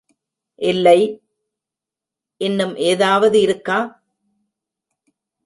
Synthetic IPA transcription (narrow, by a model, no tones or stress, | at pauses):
ʔɪlːɐɪ | ʔɪnːɯmʔeːðaːʋɐðɯɪɾɯkːaː